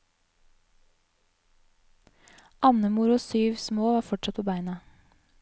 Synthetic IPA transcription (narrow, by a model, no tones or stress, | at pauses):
ʔɑnəmʊɾʊsyːʋsmoːʋɑːfɔʈʃɑt̪̚pʰoːbæɪnɑ